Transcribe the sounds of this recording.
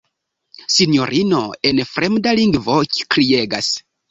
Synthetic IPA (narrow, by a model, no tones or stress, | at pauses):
sinjo̞ɾʔinoenfɾemdaliŋɡvoki̥kɾieɡa̰s